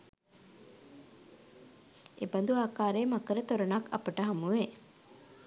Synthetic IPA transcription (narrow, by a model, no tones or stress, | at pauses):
ḛbɐnd̪uaːkaːɾeːmakəɾet̪oɾonakɐ̰pəʈəɦamuʋe